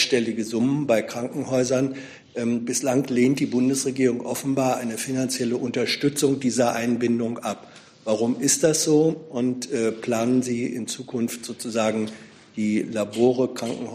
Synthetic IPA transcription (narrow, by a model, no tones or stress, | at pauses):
ʃtɛlɪɡəzʊmənbaɪkʁ̥aŋkŋ̩hɔʏzɐn | ʔɛːbɪslaŋleːntd̥iːbʊndəsʁeɡiːʁʊŋʔɔfn̩baːɐʔaɪnəfinant͡sjɛləʔʊntɐʃtʏt͡sʊŋdiːzɐʔaɪnbɪndʊŋʔap | vaʁʊmɪstd̥asz̥oːʔʊntʔɛːpl̥aːnənziːɪ̰nt͡suːkʰʊnftz̥oːt͡suzaːɡŋ̩ | d̥iːlaboːʁəkʁ̥aŋkŋ̩hɔ